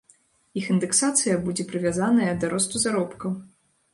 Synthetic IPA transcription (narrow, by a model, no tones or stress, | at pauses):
ixind̪ɛksat̪sɨjɐbud͡zʲɛpɾɨvʲazanɐjɐd̪aɾɔst̪uzaɾɔpkɐw